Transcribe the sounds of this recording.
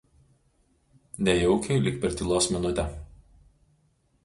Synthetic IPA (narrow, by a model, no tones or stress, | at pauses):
nʲɛjɔʊkʲɛɪlʲɪkpʲɛɾt̪ʲɪlˠoːsmʲɪnʊt̪ʲɛ